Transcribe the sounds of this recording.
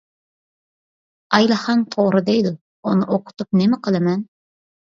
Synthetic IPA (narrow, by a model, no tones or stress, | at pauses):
ɑjlˠɨχɑnt̪ʰoʁɾɨd̪ejd̪u | onɨʔoqʰʊ̥t̪up̚nɪmɪqʰəlˠɨmɛn